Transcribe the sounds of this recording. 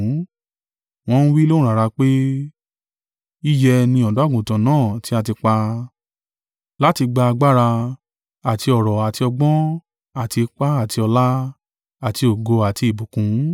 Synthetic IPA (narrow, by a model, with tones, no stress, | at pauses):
w̃ɔ̃˧n̩˦wi˦lo˦ũ˦ɾa˨ɾa˧k͡pe˦ | i˦jɛ˧nĩ˧ɔ˨do˨˦a˦˨ɡũ˨tã˨˦nãː˦˨ti˦a˦˧˨ti˧k͡pa˧ | la˦ti˧ɡ͡ba˧a˧ɡ͡ba˦ɾa˧ | a˨ti˧ɔ˨ɾɔ˨a˨ti˧ɔ˧ɡ͡bɔ̃˦ | a˨ti˧k͡pa˦a˦˨ti˧ɔ˧la˦ | a˨ti˧o˨ɡo˧a˨ti˧i˨bu˨kũ˨˦